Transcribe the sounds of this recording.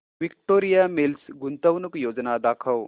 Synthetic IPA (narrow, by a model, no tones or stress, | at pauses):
ʋikʈoːɾijamilsɡunt̪ɐwnukjoːd͡ʒnad̪aːkʰɐw